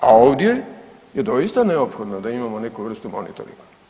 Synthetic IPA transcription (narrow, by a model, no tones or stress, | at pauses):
a̰o̞ʋd̪je | jed̪o̞ist̪aneopxo̞d̪nod̪aimamo̞ne̞kuʋr̩st̪umo̞̰nḭt̪o̰ɾḭŋɡa